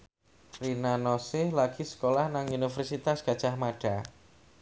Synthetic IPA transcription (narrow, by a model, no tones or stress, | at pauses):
rinanɔsɪhlaɡ̥isə̥kolahnaŋunifərsit̪asɡ̥a̤d̥ʒ̥ahmaɖ̥a